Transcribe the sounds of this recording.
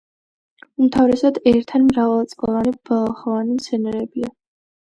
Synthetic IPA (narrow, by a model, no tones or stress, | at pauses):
umt̪ʰavɾɛsad̪ɛɾt̪ʰanmɾavalˠt̪sʼpʼalanibalaχɔvanimt̪sʰɛnɛɾɛbia